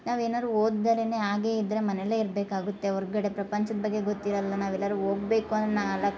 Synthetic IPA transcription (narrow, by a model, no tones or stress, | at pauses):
naːʋeːnaːd̪ɾuoːd̪d̪aɾene̞ːaːɡe̞ːid̪ɾe̞mɐneleːiɾbeːkaːɡut̪ːe̞ɔɾɡɐɽe̞pɾɐpɐɲt͡ʃɐd̪ɐbɐɡːeɡot̪ːiɾɐlːɐnaːʋɛlːɐɾuoːɡ̚be̞ːkuɐnd̪ɾenaːɡɐlːɐ